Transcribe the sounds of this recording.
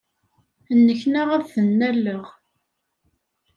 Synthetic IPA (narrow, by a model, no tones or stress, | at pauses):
ənːəçnæʁæðθənːælːəʁ